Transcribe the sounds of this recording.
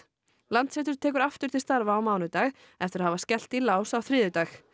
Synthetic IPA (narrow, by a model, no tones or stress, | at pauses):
lant̪sɛt̪ʏɾ̥t̪ʰɛːkʏɾaft̪ʏɾ̥t̪ɪlst̪aɾvaːwmaːwnʏt̪aːx | ɛft̪ɪɾahavascɛl̥t̪ilaːwsawθɾɪːðʏt̪aːx